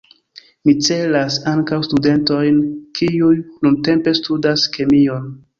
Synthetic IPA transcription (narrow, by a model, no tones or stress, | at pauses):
mit͡se̞lasaŋkawstude̞nto̞jnkʰiujnunte̞mpe̞studaske̞mio̞n